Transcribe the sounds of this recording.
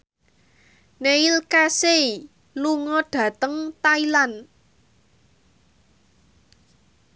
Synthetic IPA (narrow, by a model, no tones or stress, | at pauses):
neilkasei | luŋɔɖ̥ä̤t̪əŋt̪ailan